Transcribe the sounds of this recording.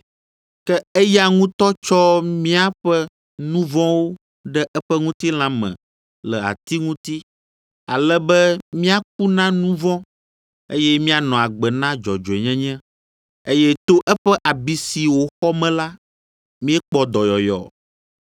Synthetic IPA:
kɛ˦ɛ˦ja˨ŋũ˦t̪ɔ˦t͡ʃɔ˦mĩ˦a˦ɸɛ˦ | nũ˦vɔ̃˦wo˦ | ɖɛ˦ʔɛ˦ɸɛ˦ŋũ˦t̪i˦l̃ã˦mɛ̰̃˨ | lɛ˨a̰˨t̪i˦ŋũ˦t̪i˦ | a˨lɛ˦bɛ˦mĩ˦a˨k̚u˦nã˦nũ˦vɔ̃˦ | e˦jɛ˦mĩ˦a˨nɔ̃˨a˨ɡ͡bɛ˨nã˦d͡ʒɔ˨d͡ʒo˨e˨ɲɛ̃˦ɲɛ̃˦ | e˦jɛ˦t̪o˦ʔɛ˦ɸɛ˦ʔa˨bi˨˦si˨wo˨xɔ˦mɛ̃˦la˦ | mĩ˦ɛ˦k͡pɔ˦d̪ɔ˨jɔ˨jɔ̰˨

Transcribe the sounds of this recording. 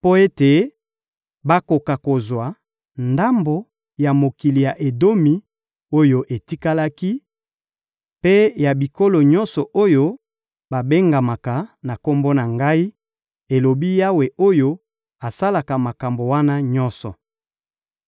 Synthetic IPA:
po˦e˦te˨ | ba˦ko˨ka˨ko˨zwa˨ | nda˦mbo˨ | ja˨mo˨ki˨li˨ja˨ʔe˨do˦mi˨˦ | o˦jo˦ʔe˨ti˦ka˦la˦ki˦ | pe˦ja˨bi˨ko˦lo˨ɲɔ˦nsɔ˨ʔo˦jo˦ | ba˨be˦ŋɡa˨ma˨ka˨na˨ko˦mbo˦na˨ŋɡa˦i˦ | e˨lo˨bi˦ja˦we˨o˦jo˦ | a˨sa˦la˨ka˨ma˨ka˨mbo˨wa˦na˦ɲɔ˦nsɔ˨

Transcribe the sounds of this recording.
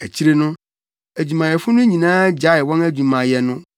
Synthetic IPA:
æ˨t͡ɕʰi˦ɾe˦nʊ̃˦ | æ˨d͡ʑu˨mã˨jɛ˨fʊ˦nʊ̃˦ɲĩ˨nãː˦d͡ʑa˨˦ɪ˨wɔ̃˦næ˦d͡ʑu˨mã˨jɛ˨nʊ̃˦

